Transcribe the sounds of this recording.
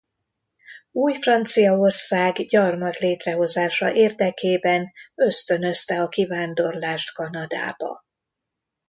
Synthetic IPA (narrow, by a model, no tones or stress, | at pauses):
uːjfrɒnt̪sijɒo̞rsaːɡɟɒrmɒt̪leːt̪rɛɦo̞zaːʃɒʔeːrd̪ɛkeːbɛnøst̪ø̞nø̞st̪ɛɒkivaːnd̪o̞rlaːʃt̪kɒnɒd̪a̰ːb̥ɒ̰